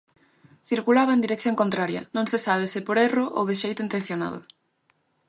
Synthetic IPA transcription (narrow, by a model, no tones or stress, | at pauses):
θiɾkulaβɐend̪iɾek̚θjõŋkont̪ɾaɾjɐ̰nõŋsɪsaβ̞ɪsɪpoɾerʊʔo̰wðɪʃejt̪ʊint̪ẽn̟θjona̰ðʊ̰